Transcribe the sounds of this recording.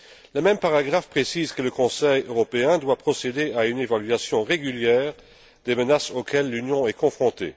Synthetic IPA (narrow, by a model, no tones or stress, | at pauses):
ləmɛmpaʁaɡʁafpχesiːzkələkɔ̃sɛjøʁɔpeɛ̃d̪wapχɔsed̪eaynevalɥasjɔ̃ʁeɡyljɛːʁ | d̪ɛmənasokɛlːynjɔ̃ɛkɔ̃fχɔ̃t̪ḛ